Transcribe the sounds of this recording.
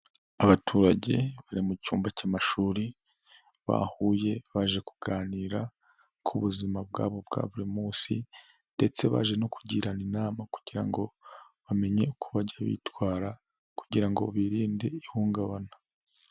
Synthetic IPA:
aβatʰuɾaɟe̞̰βaɾimucuːmbacamaʃuːɾi | βa̰huːje̞βaʒe̞ku̥ɡaːniːɾa | kʰuβuzimab̚ɡaːβo̞bɡa̰ːβuɾimuːsḭ | nde̞t͡se̞βa̰ʒe̞no̞kuɟiːɾaninaːmaku̥ɟ̥iɾa̰ŋɡo̞ | βame̞ɲe̞ukʰuβaɟaβḭːtwaːɾa | kuɟiɾaŋɡo̞̰βiːɾiːnde̞ihuːŋɡaβanḁ

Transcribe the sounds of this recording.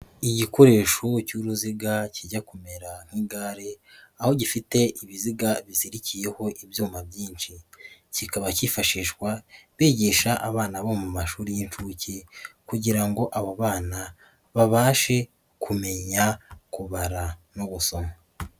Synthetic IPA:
iɟiko̞ɾe̞ːʃocuɾuziɡaciɟakume̞ɾaŋ̥hiːɡaːɾeaho̞ɟifite̞iβiziɡaβiziɾicije̞ho̞ʔibjuːmabjiːnʃicikaβacifaʃiːʃɡwaβiːɟeʃaʔaβaːnaβomumaʃuːɾijint͡ʃuːcikuɟiɾaŋɡo̞ʔaβaβaːna | βaβaːʃe̞ | kʰume̞ɲakuβaɾanoβuso̞ma

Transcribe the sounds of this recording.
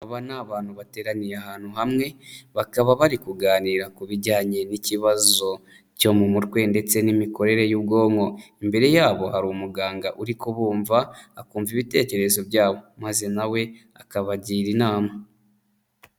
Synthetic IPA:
aβanaːβaːn̥uβate̞ːɾanijeahaːn̥huɦamŋe̞βakaβaβaɾikuɡaːniɾakuβiɟaːɲe̞niciβazo̞ | co̞mumutɡwe̞nde̞t͡se̞nimiko̞ɾe̞ɾe̞jubɡo̞ːŋo̞imbe̞ɾe̞jaːβo̞haɾumuɡaːŋɡaʔuɾikoβuːɱvaːkuːɱviβite̞ːce̞ɾezo̞βjaːβo̞maze̞nawe̞ | akaβaɟiːɾinaːma

